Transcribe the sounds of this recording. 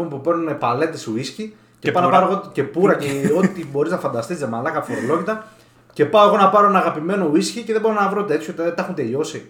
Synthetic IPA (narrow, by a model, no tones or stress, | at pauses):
ompupe̞ɾnunepɐle̞t̪e̞suisci | cepɐnɐpɐɾoɣoce̞puɾɐceo̞t̪ibo̞ɾiznɐfɐnd̪ɐst̪izðemɐlɐkɐpfoɾolo̞ʝit̪ɐ | ce̞pɐoɣo̞nɐpɐɾoenɐɣɐpime̞no̞iscice̞ðebo̞ɾonɐvɾo̞t̪e̞t̪ʰçʰot̪ðet̪ɐxunt̪e̞ʎo̞si